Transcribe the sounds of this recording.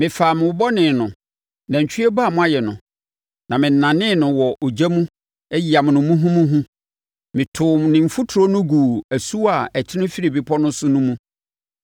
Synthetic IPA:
mɪ̃˨faː˨mɪ̃˨wʊ˨bɔ˦nɪ̃˨nʊ̃˨ | nã˨ɲ̩˨t͡ɕʰᶣɥɛ˦ba˦˨mʊ̃˦a˦jɛ˨nʊ̰̃˨ | nã˨mɪ̃˨n̩˨nã˨nɪ̃˦nʊ̃˨wɔ˨ʔo˨d͡ʑæ˦mũ˦ | ɛ˦ji˨a˨m̃˨nʊ̃˨mũ˦ɦũ˦mũ˦ɦũ˦ | mɪ̃˨tʰʊ˨nɪ̃˨m̩˨fʊ˦tʰɾo˦nʊ̃˦ɡuː˨æ˨su˦a˨ɛ˨t͡ɕʰɪ˦nʊ̃˦fi˦ɾi˨bi˨pʰɔ˦nʊ̃˦sʊ˦nʊ̃˦mũ˦

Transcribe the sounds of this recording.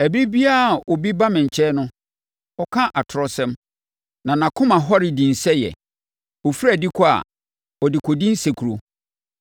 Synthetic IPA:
æ˨bi˦ɾi˦bi˦a˦˨ɔ˨bi˦ba˦mɪ̃˨ɲ̩˨t͡ɕʰɛː˦nʊ̃˦ | ɔ˨kʰã˦ʔa˨tʰʊ˨ɾɔ˦sɛ̃˦m | nã˨nã˨kʰʊ̃˦mã˨ɦɔ˦ɾɪ˨dĩ˨n̩˨sɛ˦jɛ̰˨ | ɔ˨fi˦ɾæ˨dɪ˦kʰɔ˦a̰˨ | ɔ˨dɪ˨kʰɔ˨dĩ˦n̩˦sɛ˨kʰu˨ɾo˨

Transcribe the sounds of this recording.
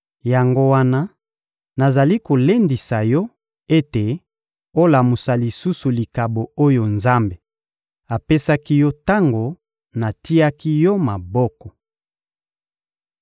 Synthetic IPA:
ja˨ŋɡo˦wa˦na˦ | na˨za˨li˦ko˨le˦ndi˨sa˨jɔ˦ | e˦te˨ | o˦la˨mu˨sa˨li˨su˦su˨li˨ka˨bo˨o˦jo˨nza˦mbe˨ | a˨pe˦sa˦ki˦jɔ˦ta˦ŋɡo˨ | na˨ti˦ja˦ki˦jɔ˦ma˨bɔ˦kɔ˨

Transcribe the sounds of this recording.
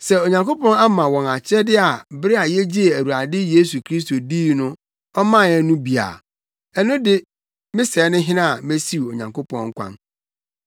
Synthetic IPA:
sɛ˦o˨ɲã˨ŋko˦pɔ̃˦na˦mã˨wɔ̃˨na˨t͡ɕʰɪ˦ɛ˦dɪ˦a˨bɾɪ˦a˨jɛ˦d͡ʑi˦e˨æ˨ɾu˨a˨dɪ˦je˦su˨kʰɾi˦s̬to˨diː˦nʊ̃˦ | ɔ˦mã˦˨ɛ˦nũ˦bi˨a̰˨ | ɛ˨nʊ̃˦dɪ˦ | mɪ̃˦sɛː˨˦nʊ̃˦ɦɪ̃˦nã˦˨a˨me˦si˦˨o˨ɲã̰˨ŋko˦pʰɔ̃˦ŋ̩˦kʷʰã̰˦n

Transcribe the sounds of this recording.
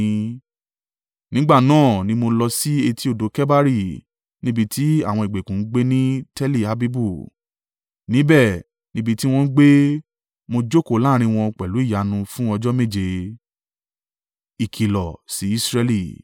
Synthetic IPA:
nĩ˦ɡ͡ba˦˨nãː˦˨nĩ˦mo˧lɔ˧si˦e˧ti˦o˦˨do˨˦kɛ˦ba˦ɾi˦˨ | nĩ˦bi˧tʰi˦a˦˨w̃ɔ̃˧i˨ɡ͡be˨kũ˨n̩˦ɡ͡be˦nĩ˦tɛ˦li˦˨a˨bi˦bu˦˨ | nĩ˨˦bɛ˦˨ | nĩ˦bi˧ti˦w̃ɔ̃˧n̩˦ɡ͡be˦ | mo˧d͡ʒo˦ko˦˨˦laː˦ɾ̃ĩ˧w̃ɔ̃˧k͡pɛ˨lu˨˦i˦˨ja˨nũ˧fũ˦ɔ˧d͡ʒɔ˦me˦˨d͡ʒe˨˧ | i˨kʰi˨lɔ˨si˨˦i˦sɾɛ˧li˦˨

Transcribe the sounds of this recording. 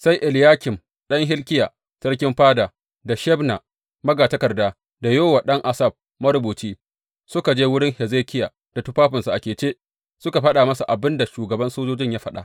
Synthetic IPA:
sa˦jʔɪ˨ljaː˦kʲɪ˨m | ɗɐ˦ŋɦɪ˦lkʲɪ˦jaː˨ | sɐ˦ɽkʲɪ˦mɸaː˦da˨ | da˨ʃɛ˦bna˨ | mɐ˦ɡaː˨tɐ˦kɐ˨rdaː˦ | da˨joː˦wa˨ɗɐ˦ŋʔa˨sɐ˦˨b̚ | mɐ˦ɾʊ˦buː˨t͡ʃiː˦ | sʊ˦ka˨d͡ʒeː˦wʊ˦ɽɪ˦ŋhɛ˨zeː˦kʲɪ˦ja˨ | d̥a˨tʊ˦ɸaː˦ɸɪ˨nsa˨ʔa˨kʲeː˨t͡ʃeː˦ | sʊ˦ka˨ɸɐ˦ɗa˨mɐ˦sa˨ʔa˨bɪ˦nda˨ʃuː˨ɡɐ˨bɐ˦nsoː˦d͡ʒoː˦d͡ʒɪ˦ɲjaː˦ɸɐ˦ɗa̰˨ʔ

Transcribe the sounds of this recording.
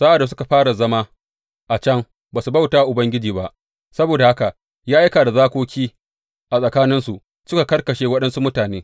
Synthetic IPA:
sɐ˦ʔa˨da˨s̬ʊ˦ka˨ɸaː˦ɽa˨zɐ˦maː˦ | ʔa˨t͡ʃɐ˦ŋ | baː˨su˨bɐ˦wtaː˦˨ʔʊ˨bɐ˦ŋɡʲɪ˦d͡ʒiː˨ba˦ʔ | sɐ˦boː˨da˨ha˦ka˨ʔ | jaː˦ʔa˦kaː˨da˨zaː˦kʷoː˦kʲiː˦ | ʔa˨sʼɐ˨kaː˦nɪ˦nsu˨ʔ | sʊ˦ka˨kɐ˦rkɐ˨ʃeː˦wɐ˦ɗɐ˦nsu˦mʊ˦taː˨neː˦

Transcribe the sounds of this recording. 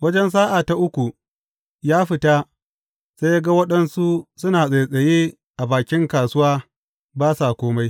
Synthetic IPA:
wɐ˦d͡ʒɛ˦ns̬aː˦ʔaː˨ta˨ʔʊ˦kʷu˨ | jaː˦ɸɪ˦ta˦ | seː˦ja˦ɡa˦wɐ˦ɗɐ˦nsu˦sʊ˦naː˨sʼe˨jsʼɐ˨jeː˦ | ʔa˨baː˨kʲɪ˦ŋkaː˨sʊ˦waː˦ | baː˦sa˨kʷoː˦ma˦j

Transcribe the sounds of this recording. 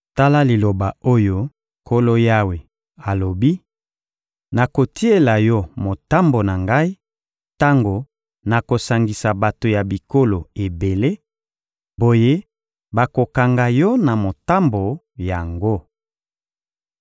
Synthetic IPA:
ta˦la˦li˨lo˨ba˨o˦jo˦ | kʰo˦lo˦ja˦we˨ | a˨lo˨bi˦ | na˨ko˨ti˦e˦la˨jɔ˦mo˨ta˦mbo˨na˨ŋɡa˦i˦ | ta˦ŋɡo˨ | na˨ko˨sa˨ŋɡi˨sa˨ba˨to˨ja˨bi˨ko˦lo˨e˨be˨le˦ | bo˨je˦ | ba˨ko˨ka˨ŋɡa˨jɔ˦na˨mo˨ta˦mbo˨ | ja˨ŋɡo˦

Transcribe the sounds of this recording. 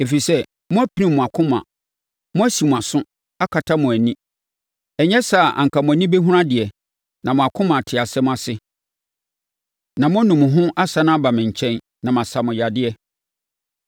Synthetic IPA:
e˨fi˨sɛ˦ | mʊ̃˦æ˦pʰi˦nĩ˦mː˨ʊ̃˨a˨kʰʊ̃˦mã̰˨ | mʊ̃˦æ˦si˨mʊ̃˨a˨sʊ̃˦ | a˦kʰa˨tʰa˦mʊ̃˨æ˨nĩ˦ | ɛ˨ɲɛ˦sa˨ʔa̰˨ŋ̩˨kʰa˨mʊ̃˨æ˨nĩ˦be˦ɦũ˦ɾã˦dɪ˨ɛ˨ | nã˨mʊ̃˨a˨kʰʊ̃˦mã˨tʰɪ˨a˨sɛ˦mʊ̃˦a˨sɪ˦ | nã˨mʊ̃˦nũ˨mʊ̃˨ɦʊ̃˦ʔa˦sa˨nã˦a˦ba˨mɪ̃˨ɲ̩˨t͡ɕʰɛ̃˦n | nã˨mã˨sa˨mʊ̃˨ja˨dɪ˦ɛ˦

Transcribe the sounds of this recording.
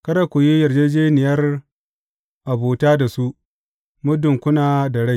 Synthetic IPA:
kɐ˦ɾa˦kʷʊ˨ji˦jɐ˨rd͡ʒeː˦d͡ʒeː˦nɪ˨jɐ˦r | ʔa˨buː˨taː˦da˨su˦ | mʊ˦dʊ˨ŋkʷʊ˦naː˨da˨ɽa˦j

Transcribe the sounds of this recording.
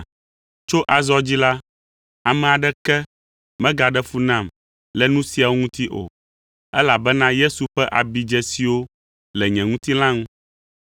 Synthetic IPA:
t͡ʃo˦ʔa˨zɔ˦d͡ʑi˦la˦ | a˨mɛ̃˨a˨ɖɛ˦kɛ˦ | mɛ̃˦ɡa˨ɖɛ˦fu˦nã˦˨m | lɛ˨nũ˦si˨˦a˨wo˦ŋũ˦t̪i˦ʔo̰˨ | ɛ˦la˨bɛ˦nã˦je˦su˨ɸɛ˦ʔa˨bi˨d͡ʒɛ˦si˨wo˦ | lɛ˨ɲɛ̃˨ŋũ˦t̪i˦lã˦ŋũ˦

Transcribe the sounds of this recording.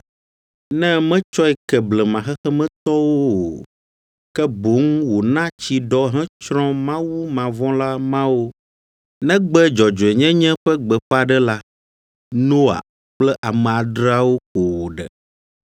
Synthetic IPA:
nɛ̃˦mɛ̃˦t͡ʃɔ˦ɛ˨kɛ˨blɛ˨mã˨xɛ˦xɛ˦mɛ̃˦t̪ɔ˦wo˦˨ | kɛ˦bo˨˦ŋwo˨nã˦t͡ɕi˨ɖɔ˦ɦɛ̃˦t͡ʃɾɔ̃˦mã˦wu˦mã˨vɔ̃˦la˦mã˦wo˦ | nɛ̃˦ɡ͡bɛ˦d͡ʒɔ˨d͡ʒo˨ɛ˨ɲɛ̃˦ɲɛ̃˦ɸɛ˦ɡ͡bɛ˨ɸɛ˦a˨ɖɛ˦la˦ | nõ˦a̰˨ | k͡plɛ˦ʔa˨mɛ̃˨a˨dɾa˦wo˦ko˨wo˨ɖɛ̰˨

